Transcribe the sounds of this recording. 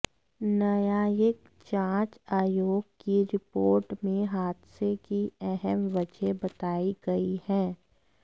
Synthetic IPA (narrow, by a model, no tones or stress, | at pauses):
nɐjajɪk | t͡ʃãːt͡ʃaːjoːɡ̚kiɾɪpoːɾʈmẽɦaːd̪sekiɛɦɛmʋɐd͡ʒebɐt̪aːiɡɐihɛ̃ː